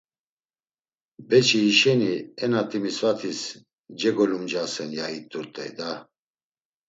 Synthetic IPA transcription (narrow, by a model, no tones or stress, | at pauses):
bɛt͡ʃʰiːʃɛniɛnat̪ʼimisvat̪ʰis | d͡ʒɛɡɔlumd͡ʒasɛnjait̪ʼuɾt̪ʼɛ̰jd̪a